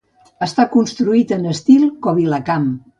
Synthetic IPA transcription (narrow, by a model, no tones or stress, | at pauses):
əst̪akunst̪ɾuit̪ənəst̪ilˠkɔβiləkam